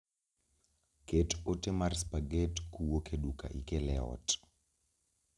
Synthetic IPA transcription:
ketotemarspaɡetkuwokeɗuka̰ʔikɛlɛɔ̰t

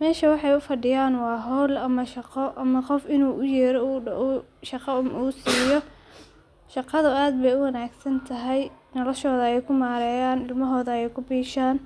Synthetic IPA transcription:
mɛːʃɐwɑħɑjʊfɐɖɪjaːnwɑːɦɔːlɐmɐʃɑqɔʔɐmɐqɔfɪnuːʔʊjɛːɾɔuːʔuʃɑqɑmuːsiːjɔ | ʃɑqɑðʊaːd̪̚bɛjʊwɐnaːɡsɐnt̪ʰɐɦɛjnɔlɔʃɔːðɐɛjkʰʊmaːɾɛːjaːnɪlmɐɦɔːðɐɛjkʰʊbiːʃaːn

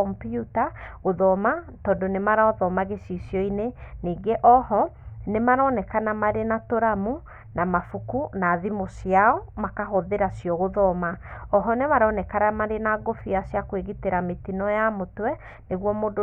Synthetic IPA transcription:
ɔmputaɣoðɔmatɔːndonemaɾaɔðɔmaɣesisjɔineniːŋɡeʔɔɦɔnemaɾɔnɛkanamaɾenatoɾamu | namafukunaðimosiaɔmakaɦɔðeɾasjɔɣoðɔmaɔɦɔnemaɾɔːnɛkaɾamaɾenaɡofiasjakweɣiteɾametinɔjamotwɛ | neɣwɔmoːd

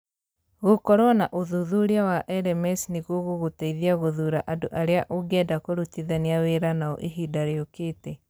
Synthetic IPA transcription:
ɣokɔɾwɔnaʔoðuðuɾeawaʔɛɾɛmɛsneɣuoɣoɣotaiðiaɣoðuɾaʔadoʔaɾeaʔoɡɛdakoɾutiðaniaweɾanaɔ̰ʔeɦidaɾeokeːtɛ

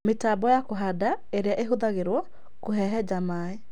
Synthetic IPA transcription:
metaːbɔjakoɦadaeɾeaʔeɦoðaɣeɾwɔ | koɦɛɦɛd͡ʒamae

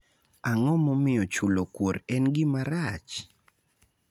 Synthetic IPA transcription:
aŋɔmɔmɪjɔt͡ʃulokwoɾɛnɡɪmaɾat͡ʃ

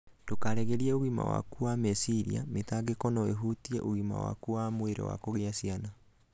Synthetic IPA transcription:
dokaɾɛɣɛɾiɛoɣima̰wa̰kuamɛsiɾḭa̰metaɡekɔnɔḛɦutiɛʔoɣima̰wa̰kuamweɾḛwa̰koɣeasiana

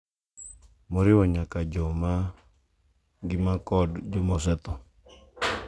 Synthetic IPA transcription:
mɔɾɪwɔɲakad͡ʒɔma | ɡɪmakɔdd͡ʒɔmɔsɛt̪ɔ

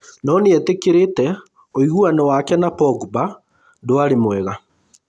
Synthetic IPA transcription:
nɔneɛtekeɾetɛ | oiɣuanɔwakɛnapɔɡuba | doaɾemwɛɣa

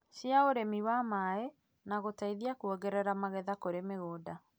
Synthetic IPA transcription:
ɕjaoɾemiwamaɛ | naɣotaiðiakuɔɣɛɾɛɾamaɣɛðakoɾemeɣoːda

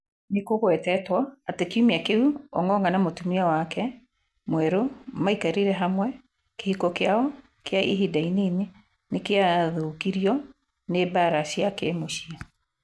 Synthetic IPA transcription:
nekoɣwɛtɛtwaatekiumiakeuɔ̰ŋɔŋɡanamotumiawakɛ | mwɛɾomaikaɾiɾɛɦamwɛ | kehikokeaɔ | keaḭɦidainene | nekeaðokiɾiɔ | nebaɾaɕiakemoɕia

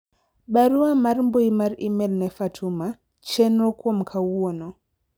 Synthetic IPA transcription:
ɓaɾuamaɾmboimaɾimɛlnɛfatʰuma | t͡ʃɛnɔkuɔm̩kʰauɔnɔ

